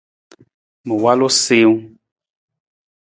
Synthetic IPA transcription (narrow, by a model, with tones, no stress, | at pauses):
mu˨wa˦lo˦se˦wu˦